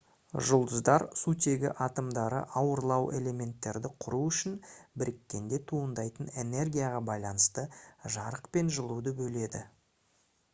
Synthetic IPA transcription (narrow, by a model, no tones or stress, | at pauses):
ʒʊlˠd̪əzd̪ɑɾsut̪ʰe̞ɡʲɪ̰ʔɑt̪əmd̪ɑɾə̰ʔɑwəɾlˠɑwʔe̞̰le̞me̞nt̪ːe̞ɾd̪ɪqʰʊɾuʏʃɪnbɪɾɪkʲːe̞ŋɡ̪ʲe̞t̪ʰuənd̪ɑjt̪əne̞ne̞rɡʲijɑʁɑbɑjlˠɑnəst̪əʒɑɾəqpe̞nʒəlˠud̪əbɵle̞d̪ɪ